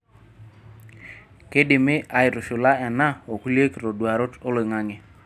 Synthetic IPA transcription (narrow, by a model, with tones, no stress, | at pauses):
ke˦dɪ˨mɪ˦ʔa˨ɪ˨ɾʊ˨ʃʊ˨la˦ɛ˨na˦o˨ku˦lje˦kɾo˨dwa˨ɾo˦to˦le˨ŋa˦ŋe˨